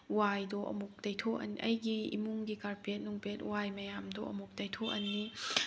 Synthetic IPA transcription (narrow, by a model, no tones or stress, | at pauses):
wajdɔʔɐ̰muk̚dɐjtʰoɐ̰niʔɐjɡiḭmuŋɡikaɾpet̚nuŋpet̚uwajmɐjamdɔɐ̰muk̚dɐjtʰoɐnːi